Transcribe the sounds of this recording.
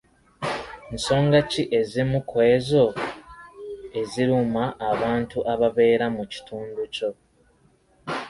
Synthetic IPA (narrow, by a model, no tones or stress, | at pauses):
nso̞ːŋɡaciʔe̞zimukʰwezo̞ | e̞ziɾumaʔːβaːntuʔaβaβe̞ːɾamuci̥tuːnduco̞